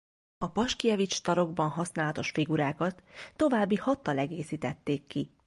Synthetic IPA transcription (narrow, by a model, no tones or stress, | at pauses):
ɒpɒʃkiɛvit͡ʃt̪ɒɾo̞ɡbɒnɦɒsnaːlɒt̪o̞ʃfiɡuɾaːkɒt̪ːo̞vaːbːihɒt̪ːɒlɛɡeːsiːt̪ɛt̪ːeːkːi